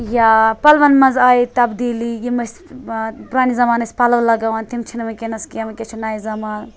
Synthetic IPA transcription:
japɐlʋɐnmɐnzaːit̪ɐbd̪ilijimɐs | puɾaːnizɐmaːnɐsʲpalɐʋlɐɡɐʋant̪imt͡ʃʰinmɐkenɐskijɐmɐket͡ʃʰunaːizɐmaːn

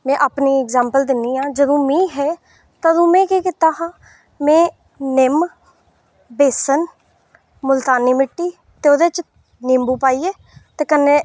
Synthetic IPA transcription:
mɛ̃ːʔapniːɛɡzãːmpəld̪ɪnːiːãːd͡ʒəd̪õːmĩːɦɛː | t̪ad̪õːmɛ̃ːkiːkɪt̪aːɦãː | mɛ̃ː | nɪm | beːsən | mʊlt̪aːniːmɪʈːiː | t̪eːoːd̪eːt͡ʃ | nɪmbuːpaːiːeː | t̪eːkənːeː

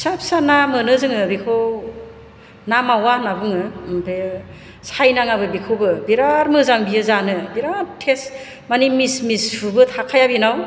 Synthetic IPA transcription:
sapsanamɯnɯzɯŋɯbikʰow | namawanabɯŋɯmpʰe | sajnaŋabɯbikʰowbɯbiɾaɾmɯzaŋbiɯzanɯbiɾaɾtʰes | manimismishubɯtʰakʰajabinaw

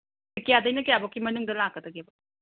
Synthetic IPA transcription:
kijadɐjnɐkejabɐkːimɐnuŋdɐlakːɐdɐɡebɐ

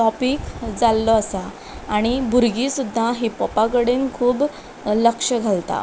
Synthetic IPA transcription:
ʈɔpiːkd͡zalːɔasa | aɽ̃ibʱuɾɡisud̪ʱːaɦipɔpaɡəɽenkʰuːb | ləkʂəɡʱalt̪a̰

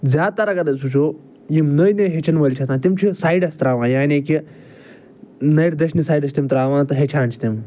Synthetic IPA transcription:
d͡zʲaːt̪ɐɾɐɡɐɾɐsut͡ʃʰoː | jimnəjnɐjɦet͡ʃʰɐnʋɐlʲt͡ʃʰɐt̪ãːt̪imt͡ʃʰisaːjɖɐst̪ɾaːʋãːjaːniki | nɐjʈd̪ɐʃnisaːjɖɐst̪imt̪ɾaːʋãːt̪ɨɦet͡ʃʰaːnt͡ʃʰi̥t̪im

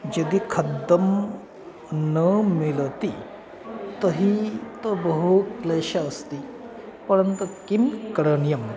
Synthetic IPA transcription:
d͡ʒɐd̪iːkʰɐd̪ːəm | nəmilt̪i | t̪əɦit̪əbəɦukleɕɐːst̪i | pəɾənt̪ukimkəɾəɳjɐm

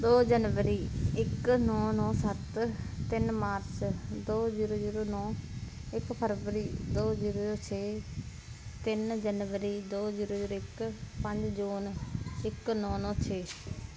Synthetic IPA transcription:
d̪oːd͡ʒənʋəɾiːɪknɔ̃ːnɔ̃ːsət̪t̪ɪnmaːɾt͡ʃd̪oːd͡ʒiːɾoːd͡ʒiːɾoːnɔ̃ː | ɪkpʰəɾʋəɾiːd̪oːd͡ʒiːɾoːɾoːt͡ʃʰeː | t̪ɪnd͡ʒənʋəɾiːd̪oːd͡ʒiːɾoːd͡ʒiːɾoɪkpəɲd͡ʒd͡ʒuːnɪknɔ̃ːnɔ̃ːt͡ʃʰeː

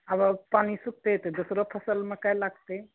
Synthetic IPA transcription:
əbəpanisuk̚t̪et̪ed̪osɾopʰəsəlmekajlaɡ̚t̪e

